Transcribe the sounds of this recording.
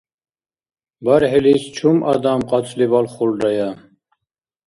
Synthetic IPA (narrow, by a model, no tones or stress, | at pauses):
baɾɦɛlist͡ʃʰumʔad̪amqʼɑt͡sʰʼlibalχulɾaja